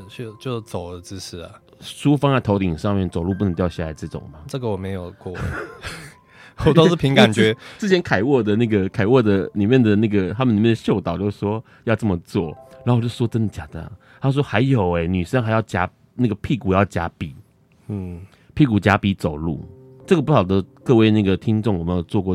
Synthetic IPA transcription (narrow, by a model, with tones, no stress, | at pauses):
t͡ɕo˥˩t͡ɕjo˥˧ʊt͡so˨˩ʊlə˦t͡s̩˥˦ʂ̩˥˩lɐ˩ | ʂu˥fɑ˥ŋa˥˧ɪt̪ʰo˧˥ʊt̪i˨˩ŋʂɑ˥˧ŋmjɛ˥˩nt͡so˨˩ʊlu˥˧p̬u˥˩ə˧˦ŋt̪jɕja˥˩a˧˥ɪʈ͡ʂɤ˥˩ʈ͡ʂʊ̰˨˩ŋma˦ʈ͡ʂə˥˩ɡə˨wɔ˨˩me˧˥ɪjo˨˩ʊkwɔ̰˥˩˨ | wɔ˨t̪o˥ʊ˥ʂ̩˥˩pʰi˧˥ŋka˨˩nt͡ɕɥɛ˧˦t͡s̩˥˩t͡ɕʰjɛ˦˥nkʰa˨˩ɪwɔ˥˩d̪ə˨na˥˩ɡə˩kʰa˨˩ɪwɔ˥˩d̪ə˨ni˨˩mjɛ˥˩nd̪ə˩na˥˩ɡə˩t̪ʰa˥mə˨ni˨˩mjɛ˥˩nd̪ə˩ɕjo˥˩ʊt̪ɑ˨ʊt͡ɕjo˥˧˥ʂwɔ˦˥ | jɑ˥˧ʊʈ͡ʂɤ˥˩mə˩t͡swɔ̰˥˩ɻa˧˥ŋxo˨˩˦t͡ɕo˥˩ʂwɔ˥ə˥nd̪ə˨˩t͡ɕja˨˩d̪ə̰˨˩ | a˥˧ʂ̬wɔ˥xa˧˥ɪjo˨˩ʊe˧˩ny˨˩ʂə˥ŋxa˧˥ɪjɑ˥˩ʊt͡ɕja˧˥ | na˥˩ɡə˩pʰi˥˩ku˨˩jɑ˥˩ʊt͡ɕja˧˥pi˨˩˦ | pʰi˥˩ku˨˩t͡ɕja˧˥pi˧˥t͡so˨˩ʊlṵ˥˩ | ʈ͡ʂɤ˥˩ɡə˩pu˥˩xɑ˨˩ʊd̪ə˦kɤ˥˧we˥˧ɪna˥˩ɡə˩t̪ʰi˥ŋʈ͡ʂŋwɔ˨˩mə˦jo˨˩ʊt͡swɔ˥˧kwɔ˥˩